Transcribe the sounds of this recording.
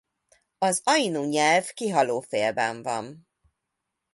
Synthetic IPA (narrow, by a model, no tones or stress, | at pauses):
ɒzɒjinuɲɛlvkiɦɒloːfeːlbɛ̰ɱvɒ̰n